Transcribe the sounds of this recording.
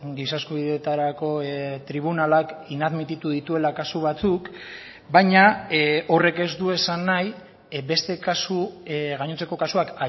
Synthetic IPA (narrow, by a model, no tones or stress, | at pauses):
ɡisaskuβiðet̪aɾako̞t̪ɾiβ̞unalakinaðmit̪it̪uðit̪ue̞lakasuβat͡suk | bajɲao̞re̞ke̞zd̪ue̞sanːaj | be̞st̪e̞kasuɣaɲot͡se̞ko̞kasuaka